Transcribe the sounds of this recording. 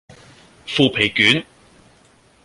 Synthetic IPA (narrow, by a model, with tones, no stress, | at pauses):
fuː˧pʰe˨˩jkyː˨˥n